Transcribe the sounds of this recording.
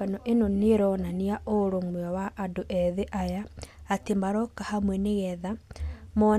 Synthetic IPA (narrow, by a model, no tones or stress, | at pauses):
anɔʔenoneɾɔnaniaʔoɾomwɔwaʔadoʔɛðeʔajaatemaɾɔkahamwɛneɣɛðamɔ